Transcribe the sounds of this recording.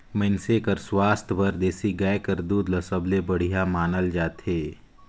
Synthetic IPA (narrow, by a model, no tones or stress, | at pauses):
mənsekəɾswaːst̪ʰʋəɾd̪eːsiɡaekəɾd̪uːd̪ləsəblebəɽ̤ijamaːnəld͡ʒaːt̪eː